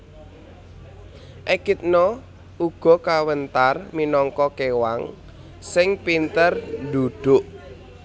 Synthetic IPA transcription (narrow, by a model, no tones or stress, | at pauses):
ʔekit̪̚nɔ | uɡ̥ɔ̤kawənt̪arminɔŋkɔkewaŋ | sɪŋpint̪ərnd̪uɖ̪̥ʊ̤ʔ